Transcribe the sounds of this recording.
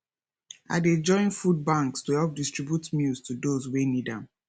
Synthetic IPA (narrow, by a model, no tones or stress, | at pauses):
a̰ded͡ʒɔ̃ɪ̃nfud̚bãŋkstuhɛlp̚distɹ̥ibjutmilstʰudozwenidãm